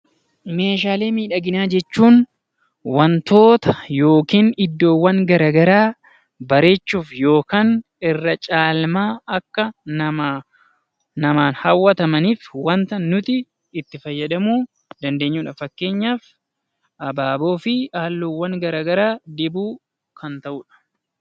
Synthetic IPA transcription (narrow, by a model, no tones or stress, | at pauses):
me̞ːʃ̬aːle̞ːmiːᶑɐɡɪnaːd͡ʒɛt͡ʃːuːn | wɐnt̪o̞ːt̪ɐ̥jo̞ːkiːnɪd̪ːo̞ːwːɐŋɡɐɾɐːɡɐɾaː | bɐɾe̞ːt͡ʃːuːfjo̞ːkaːn | ɪrːɐt͡ʃʼaːlmaːɐkːɐn | nɐmaːnhɐwːɐt̪ɐmɐniːfwɐnt̪ɐnːʊt̪ɪː | t̪ːɪfɐjːɐᶑ̪ɐmuː | d̪ɐnd̪e̞ːɲːuːᶑɐfɐkːe̞ːɲːaːf | ʔɐbaːbo̞ːfɪaːlːoːwːɐŋɡɐɾaːɡɐɾaːd̪ɪbuː | kɐnt̪ɐʔuːᶑɐ̥